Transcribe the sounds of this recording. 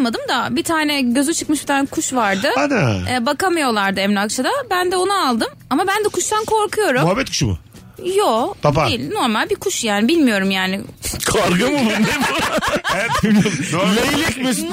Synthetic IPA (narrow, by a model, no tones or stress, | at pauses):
mad̪ɯmd̪abit̪ʰaːnɛɟø̞zyt͡ʃʰɯkmɯʃbit̪ʰankʰuʃvaɾd̪ɯad̪aɛbakamɯjo̞lˠaɾd̪ɯɛmlʲakt͡ʃʰad̪abænd̪ɛo̞naːlˠd̪ɯm | amabænd̪ɛkʰuʃt̪ʰankʰo̞ɾkʰujo̞ɾumuɦabɛt̪kʰu̥ʃumʊ̰ | jopʰadpaejilʲno̞ɾmalʲbikʰuʃjaːnibilʲmijo̞ɾumjaːnɪkʰaɾɡɯmulˠaemɛɛt̪̚iijonejijɛcmesin